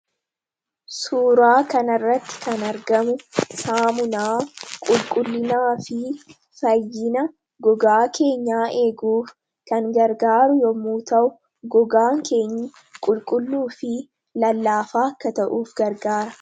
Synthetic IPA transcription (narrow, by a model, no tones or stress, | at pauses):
suːɾaːkɐnɐrːɐt̪ːɪ̥kɐnɐɾɡɐmʊsaːmʊnaːkʼʊlkʼʊlːɪnaːfɪ | fɐjːɪnɐ | ɡɔɡaːkʰe̞ːɲːaːʔe̞ːɡuːf | kɐŋɡɐɾɡaːɾʊjɔmuːt̪ɐʔʊ | ɡɔɡaːŋke̞ːɲːɪ | kʼʊlkʼʊlːuːfɪ | lɐlːaːfaːɐkːɐt̪ɐʔuːfɡɐɾɡaːɾɐ